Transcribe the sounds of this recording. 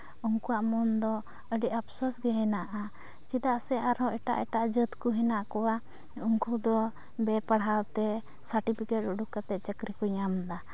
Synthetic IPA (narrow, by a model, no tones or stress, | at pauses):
uŋkuwaʔmɔnd̪ɔ | əɖiʔapsɔsɡɛɦɛnaʔa | d͡ʒid̪aʔsɛʔaɾɦɔʔɛʈa̰ʔɛʈaʔd͡ʒət̪kuɦɛnaʔkɔwa | uŋkud̪ɔ | bɛpaɽawt̪ɛ | saɾʈipʰikɛʈuɽukat̪ɛʔ̪̚t͡ʃəkɾikɔɲamd̪a